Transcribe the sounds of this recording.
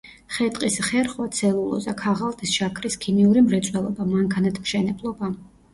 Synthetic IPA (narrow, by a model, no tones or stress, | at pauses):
χɛt̪ʼqʼisχɛɾχwat̪sʰɛlˠulˠɔ̰zakʰaʁalˠt̪ʼisʃakʰɾiskʰimiuɾimɾɛt̪sʼwɛlˠɔbamaŋkʰanat̪ʰmʃɛnɛblˠɔba